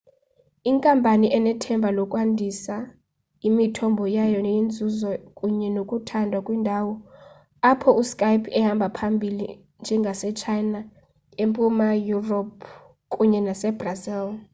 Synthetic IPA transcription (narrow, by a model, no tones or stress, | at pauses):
iŋkʼampʼaniʔɛnɛtʰɛmbʱalɔkʼwandʱisa | imitʰɔmbʱɔjajɔjind͡zʱuzɔkʼuɲɛnokʼutʰandʱwakʼwindʱawɔ | apʰɔuskʼajpʰɛhambʱapʰambʱilḭ | nd͡ʒʱɛŋɡʱasɛt͡ʃʰajna | empʼumajurɔp̚ʰ | kʼuɲɛnasɛbrazil